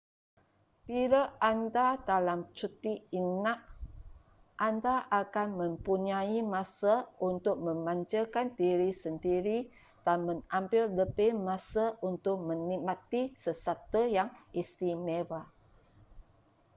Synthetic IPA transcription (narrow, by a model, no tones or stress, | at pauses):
piɾaandadalamt͡ʃut̪iinaʔ | ʔandaʔakanmə̃mpuɲaimãsaʔunt̪ʊk̚mə̃mãɲt͡ʃəkant̪iɾisəndiɾi | d̥anmə̃nambɪldəbɪmasaunt̪ʊk̚mə̃nimãt̪isəsat̪ujaŋʔist̪imeva